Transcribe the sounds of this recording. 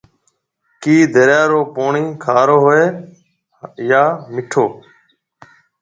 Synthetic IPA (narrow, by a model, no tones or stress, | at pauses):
kiːd̪ʱəɾjaːɾoːpoːɳĩːkʰaːɾoːɦoeː | jaːmɪʈʰoː